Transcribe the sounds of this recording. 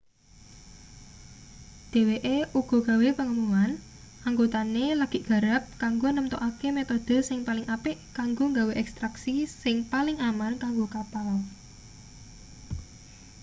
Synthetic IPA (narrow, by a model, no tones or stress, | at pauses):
d̪̥e̤weʔeʔuɡ̥ɔ̤ɡ̥a̤wepəŋəmuan | ʔaŋɡot̪aneləɡ̥ɪ̤ʔɡ̥a̤ɾap̚kaŋɡonəmt̪oʔakemet̪od̪̥ə̤sɪŋpalɪŋʔapɪʔkaŋɡoŋɡaweʔɛkst̪ɾaksisɪŋpalɪŋamarkaŋɡokapal